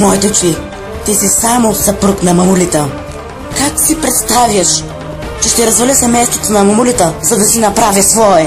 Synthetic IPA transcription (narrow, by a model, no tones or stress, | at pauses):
mɔjt̪ot͡ʃi | t̪isisamosɐpɾɤknɐmɐmulit̪ə | kaksipɾɛt̪st̪avʲjɐʃ | t͡ʃɛʃt̪ɛɾɐzvɐlʲəsɛmɛjst̪ot̪onɐmɐmulit̪əzɐd̪ɐsinɐpɾavʲjəsvɔɛ